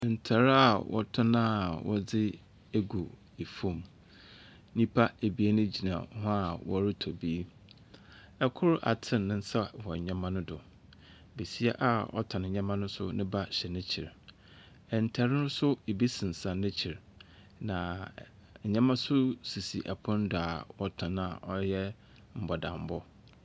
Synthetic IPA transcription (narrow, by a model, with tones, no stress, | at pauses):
n̩˨tʰa˨ɾa˨wʔɔ˨tʰʊ˦nã˦wɔ̰˦d͡zɪ˦ | e˦ɡu˨ | e˨fũ˨m | nĩ˦pʰa˦e˨bi˨e˦nʊ̃˦d͡ʑi˨nã̰˨˦hʊ̃˦a˨wɔ˦ɾɪ˦tʰɔ˨bi˦ | ɛ˨kʰʊ˦ɾa̰˨tʰɪ̃˦nː˨ɪ̃˦n̩˦sa˦˨wɔ˨ɲã˦mã˦nʊ̃˦dʊ˨ | be˨si˦ɛ˦ʔa˦˨ɔ̰˦tʰã˨nɪ̃˨ɲã˦mã˦nʊ̃˦sʊ̰˦nɪ̃˦ba˦ɕɛ˨nɪ̃˦t͡ɕʰi˨ɾ | ɛ˨n˨tʰɛ˨ɾɪ˦nʊ̃˦sʊ˦e˨bi˦sɪ̃˨n˨sã˨nːɪ̃˦t͡ɕʰi˨ɾ | nã˨ | ɲã˦mã˦sʊ˦si˨si˨ʔa˨pʰʊ̃˦n˦dʊ˨a˨wɔ˦tʰã˨na˨ʔɔ˦jɛ˦ | m̩˨bɔ˨dã˨m˨bɔ˦